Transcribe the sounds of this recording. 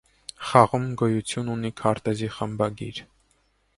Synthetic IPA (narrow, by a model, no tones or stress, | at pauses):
χɑʁumɡɔjut͡sʰjununikʰɑɾt̪ɛziχəmbɑɡiɾ